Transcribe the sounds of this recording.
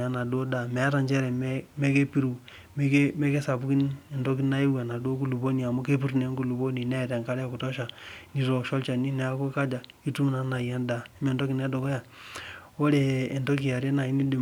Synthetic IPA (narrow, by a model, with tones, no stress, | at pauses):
a˨na˨do˦da˨me˨a˦ɾa˨nt͡ʃe˦ɾe˨m˦me˦ke˦pi˦ɾu˨ | me˦ke˦me˦ke˦sa˨bu˦ki˦ne˨ndo˦k̬i˦na˦i˦we˨na˨do˦k̬u˦lu˨bo˦ni˨a˨mo˦ke˦pi˦ɾne˨˦ŋku˨lu˨bo˦ni˨ne˦˨te˨ŋka˦ɾa˦˨ku˨to˦ʃa˨ni˨ɾo˨ʃo˦lt͡ʃa˨ni˦ne˦ko˦ka˦d͡ʒa˨i˦tu˦m˦na˨˦na˨ja˦nda˨˦me˨ndo˦ki˨ne˦do˨ko˦ja˨ | o˦ɾe˨e˨ndo˦ki˨ja˨ɾe˦na˨i˦ni˦di˨